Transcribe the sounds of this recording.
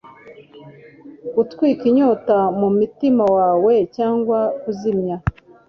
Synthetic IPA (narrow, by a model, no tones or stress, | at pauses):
kutkwiːkiɲotamumutimawaːwecaːŋɡwakuzimɲa